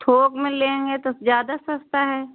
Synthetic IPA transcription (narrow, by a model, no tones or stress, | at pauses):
t̪ʰoːɡmẽlẽːŋɡet̪ozjaːd̪asɐst̪aɦɛː